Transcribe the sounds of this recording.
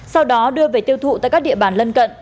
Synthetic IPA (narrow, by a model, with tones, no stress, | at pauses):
sa˧wɗɔ˨˦ɗɨ˧əve˨˩t̪i˧əwt̪ʰṵ˧˨t̪aː˧˨kaː˦˥ɗḭ˧˨əɓaː˧˩nlə˧nkə̰˧˨nʔ